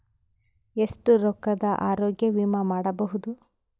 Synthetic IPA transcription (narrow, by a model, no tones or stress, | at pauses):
esʈuɾɔkːɐd̪ɐʔaːɾoːɡjɐʋiːmɐmaːɽɐbɐɦud̪u